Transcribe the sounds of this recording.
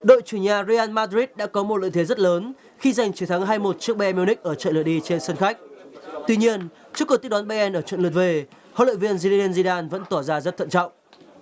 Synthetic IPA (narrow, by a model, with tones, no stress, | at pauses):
ɗo̰˧˨jt͡ɕu˧˩ɲaː˨˩zi˧ʔaː˧nmaː˧dɾi˦˥t̚ɗa̰ː˧˥kɔ˨˦mo˨˩t̚lə̰˧˨jt̪ʰzə˦˥t̚ləː˨˦n | xi˧za˨˩jŋt͡ɕi˨˦wt̪ʰa˨˦ŋɦaː˧jmo˨˩t̚t͡ɕɨ˦˥ək̚ɓɛ˧ɛ˧m˧wnï˦˥k̚ʔəː˧˩t͡ɕə̰˧˨ləɗi˧t͡ɕe˧nsə˧nxa˦˥k̚t̪wi˧ɲi˧ən | t͡ɕu˦˥kːə˧˩t̪i˦˥k̚ɗa˨˦nɓe˧ʔɛ˧nʔəː˧˩t͡ɕə̰˧˨nlɨ˨˩t̚ve˧˩ | ho̰˧˨lə̰˧˨jvi˧ənzi˧li˧i˧nzi˧ɗaː˧nvə̰˧˥nt̪ɔ˧˩zaː˧zə˦˥t̪ʰə̰˧˨nt͡ɕɔ̰˧˨wŋ͡m